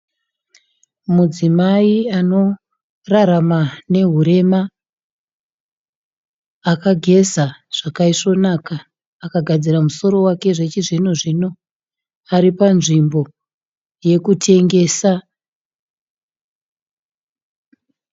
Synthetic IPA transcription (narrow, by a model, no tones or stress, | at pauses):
mud͡zimaiano̞ | raɾamane̞ɦuɾe̞ma | kaɡʱe̞saʐ̥akaiʂo̞nakaː | kaɡʱad͡ziramuso̞ɾo̞wake̞ʐe̞t͡ʃiʐinoʐino̞ | aɾipanʐimbo̞ | je̞kutʰe̞ŋɡe̞ːsa